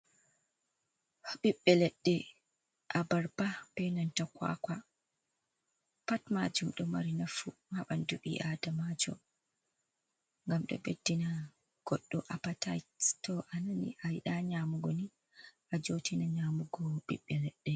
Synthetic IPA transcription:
hɓiɓːɛlɛɗːɛ | ʔabaɾbabɛjnantakwa̰kʷa | patmad͡ʒumɗɔmaɾinafuhaɓanduɓḭʔadamad͡ʒɔ̰ | ŋɡamɗɔ̰bedːina | ɡ̥ɔɗːɔʔapatajtɔʔananḭʔajɗaɲamuɡɔni | ʔad͡ʒotinaɲaːmuɡɔɓḭɓːɛlɛɗːɛ

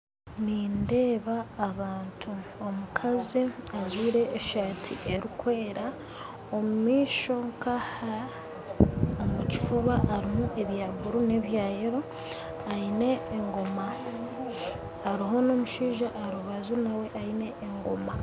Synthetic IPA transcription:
ninde̞ːβaːβaːntʰuo̞mukʰaziazwiːɾe̞ːʃaːtʰḭʔe̞ɾikweeɾa | omumiːʃo̞ŋkaha | omuci̥fuβaʔːɾimuʔe̞βjaːɡuɾune̞βjaːjeɾo | aine̞ːŋɡo̞ma | ɾiɦo̞noːmuʃiːʒaʔːɾuβazunawe̞ʔaine̞ːŋɡo̞̰ma

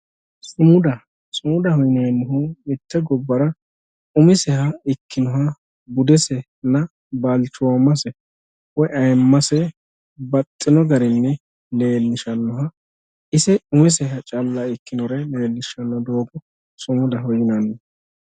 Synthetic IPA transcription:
sʊmʊd̪ɐ | sʊmʊd̪ɐhɔjɪnɐjnːʊɦʊɪt̪ːɛɡɔbːɐɾɐ | ʊmɪsɛhɐɪkʰːɪnɔhɐ | bʊd̪ɛsɛ | nɐ | balt͡ʃːʊwamɐsɛ | wɔjɐjmːɐsɛ | bɐt̪ʼːɪnɔɡɐɾɪnːɛ | le̞ːlːɪʃɐnːɔɦɐ | ɪsɛʊmɪs̬ɛɦɐt͡ʃʼɐlːɐɪkːɪnɔɾɛle̞ːlːɪʃɐnːɔd̪oːɡɔ | sʊmʊd̪ɐɦɔjɪnanːɪ

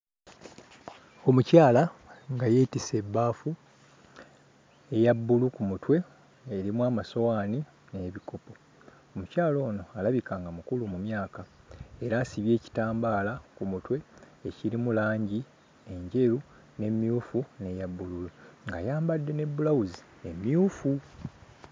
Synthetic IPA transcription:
omucaːlaŋɡaje̞ːtise̞bːaːfu | e̞jabːulukumutwe̞ː | ɾimwaːmaso̞waːni | ne̞ːβiko̞po̞ | omucaːlo̞ːno̞alaβikaːŋɡamukulumumjaːka | e̞ɾaːsiβje̞ːci̥taːmbaːlakumutwe̞ː | ciɾimulaːɲɟi | e̞ɲɟe̞ɾu | ne̞mjuːfune̞jabːululuŋɡajaːmbadːe̞ne̞bːulawuzi | emjuːfu

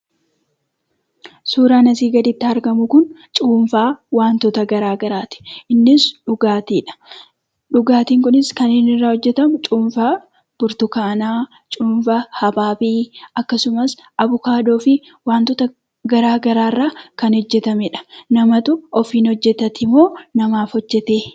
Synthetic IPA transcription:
suːɾaːnɐsiːɡɐd̪ɪt̪ːɪɐɾɡɐmʊkʊn | t͡ʃʼuːnfaːwaːnt̪ɔt̪ɐɡɐɾaːɡɐɾaːt̪ɪ̥ʔɪnːɪsᶑʊɡaːt̪iːᶑɐ̥ | ᶑʊɡaːt̪iːŋkʊnɪskɐneːnɪrːaːhɔd͡ʒːɛt̪ɐmʊt͡ʃʼuːnfa | b̥ʊɾt̪ʊkaːnaː | t͡ʃʼuːɱfɐhɐbaːbiːɐkːɐsʊmɐsʔɐbʊkaːd̪o̞ːfɪ | waːnt̪ɔt̪ɐ | ɡɐɾaːɡɐɾaːrːaːkɐnhɔd͡ʒːɛt̪ɐmɛᶑɐ̥nɐmɐt̪ʊɔfiːnhɔd͡ʒːɛt̪ɐt̪ɪmːo̞ːnɐmaːfɔd͡ʒːɛt̪eː

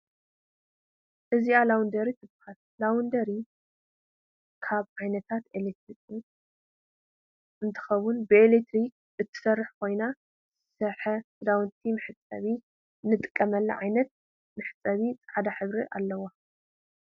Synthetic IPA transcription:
ʔɨzialawund̪ɐɾit̪ʰɨbxat̪̚lawund̪ɐɾi | kʰaβʕajnɐt̪ʰat̪elet̪ɾikʼu | ʔɨnt̪ʰɨ̥xɐwunbɨelet̪ʰɾik̚ | ʔɨt̪ʰːɨ̥sɐrːɨħkʰo̞jna | zɨsɐħɐ | d̪awnt̪ʰimɨħɨt͡sʼɐ̰βi | nɨt̪ʼɨ̥kʼːɐmɐlːɐ̰ʕajnɐt̪̚ | mɨħɨt͡sʼːɐβit͡sʼħad̪aħɨβɾiʔa̰lːɐwa

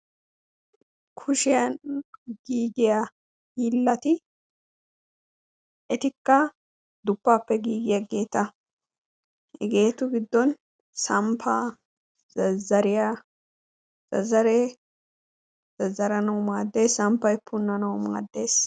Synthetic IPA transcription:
kʰʊʃɪjɐnɡiːɡɪjɐ | hiːlːɐt̪ɪ | ɛt̪ɪkːɐ | d̪ʊpːaːpːɛɡiːɡɪjɐɡe̞ːt̪ɐ | hɛ̰ɡe̞ːt̪ʊɡɪd̪ːɔn | sɐmpʰa | zɐzɐɾɪja | z̥ɐ̰zɐɾe | z̥ɐzːɐɾɐnɐwmaːd̪ːeːsɐmpːɐjpːʊnːɐnɐwma̰ːd̪ːe̞ːs

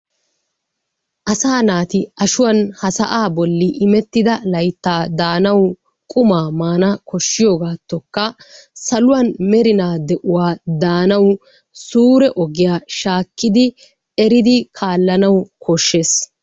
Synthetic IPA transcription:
ʔɐsaːnaːt̪ɪɐʃʊwɐnhɐsɐʔaːbɔlːɪʔɪmɛt̪ːɪd̪ɐlɐjt̪ːaːd̪aːnɐwʊ | kʼʊmaːmaːnɐkɔʃːɪjoːɡaːt̪ːɔkːɐsɐlʊwɐnmɛɾɪnaːd̪ɛʔʊwaːd̪aːnɐw | suːɾɛʔɔɡɪjaːʃaːkːɪd̪ɪ | ɛɾɪd̪ɪkʰaːlːɐnɐwkʰɔʃːe̞ːs

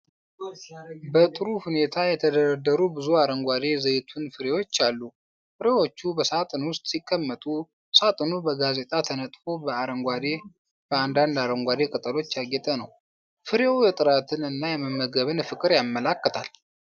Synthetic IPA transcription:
bət̪ʼɨɾuhune̞t̪ʰajɛt̪ʰəd̪əɾəd̪ːəɾubɨzuaɾəŋɡʷad̪e̞zəjt̪ʰunfɨɾe̞wo̞t͡ʃːalːu | fɨɾe̞wo̞t͡ʃːubəsat̪ʼɨnwʊst̪ʼsikʼːəmːət̪ʼu | sat̪ʼɨnubəɡaze̞t̪ʼat̪ʰənət̪ʼfo̞bəaɾəŋɡʷad̪e̞ | bəand̪and̪aɾəŋɡʷad̪e̞kʼɨt̪ʼɨlo̞t͡ʃːjaɡɛt̪ʼənəw | fɨɾewjɛt̪ʼɨɾat̪ʰɨnɨnːajɛməmːəɡəβɨnfɨkʼɨɾjamːəlakːət̪ʰal

